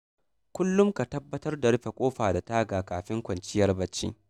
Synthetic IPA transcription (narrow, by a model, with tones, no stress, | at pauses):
kʷʊ˦lːʊ˦mka˨tɐ˦bːɐ˦tɐ˦rda˨ɽɪ˦ɸe˨kʷʼoː˦ɸaː˨da˨taː˦ɡaː˨kaː˨ɸɪ˦ŋkʷɐ˨nt͡ʃɪ˦jɐ˦rbɐ˦t͡ʃːḭː˦